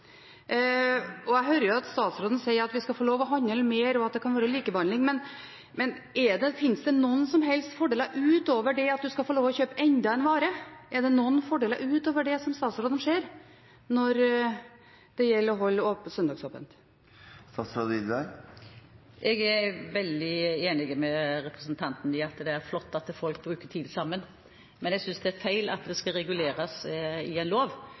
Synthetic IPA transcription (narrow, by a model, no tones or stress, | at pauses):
ɔæɦœːɾəjʊɑt̪st̪ɑːt̪sɾoːd̪ən̩sɛɪəɾɑt̪ʋɪskɑfoːloːʋɔɦɑnːɛlːmeːɾɔɑt̪̚d̪ɛkʰɑnʋɑːɾəliːkəbɑnlɪŋmɛn | mɛn | ɛɖɛfɪnsd̪ɛnɔnːsɔmɦɛlst̪fɔɖeːləɾʔʉːt̪oːʋəɖɛɑt̪̚d̪ʉskɑfoːloːʋɔçøːpəɛɲd̪ɑɛnʋɑːɾəɛɖɛnɔnfɔɖeːlə̰ɾʉːt̪oːʋəɖɛsɔmst̪ɑːt̪sɾoːd̪ən̩ʂeːɾ | nɔɾ | d̪̥ɛjɛlːəɾɔɦɔlːəoːpsœnd̪ɑːɡsoːpə̰nt̪ | st̪ɑsɾoːd̪ɪd̪æ | ʔɛɡæɾʋɛld̪ɪeːnɪɡmɛɾɛpɾəsnt̪ʰɑnt̪n̩ɪɑt̪d̪ɛæɾflɔt̪ːɑt̪fɔlk̚bɾʉːkəʈʰiːd̪sɑmːən | mɛnjɛæɡsʏnsd̪ɛæɾfæɪlɑ̰t̪d̪ɛskɑɾɛɡʉleːɾɑsɪɛnloːʋ